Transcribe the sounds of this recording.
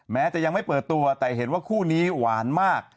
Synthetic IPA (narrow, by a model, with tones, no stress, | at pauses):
mɛː˦˥t͡ɕa˨˩ʔja˧ŋma˥˩jpɤː˨˩t̪ːu˧ɐt̪ɛː˨˩ɦe˩˦nwaː˥˩kʰuː˥˩niː˦˥waː˩˦nmaː˥˩k̚